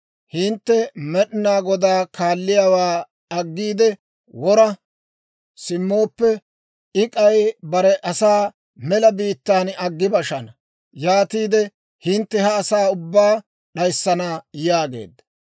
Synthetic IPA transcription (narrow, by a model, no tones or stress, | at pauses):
hɪnt̪ːɛmɛɗɪnaːɡɔd̪aːkaːlːɪjaːwaː | ɐɡːiːd̪ɛ | wɔɾɐ | sɪmːo̞ːpːɛ | ɪkʼɐjbɐɾɛʔɐsaː | mɛlɐbiːt̪ːaːnɐɡːɪbɐʃɐnɐ | jaːt̪iːd̪ɛ | hɪnt̪ːɛhɐːsaːʊbːaː | ɗɐjsːɐnajaːɡe̞̰ːd̪ːɐ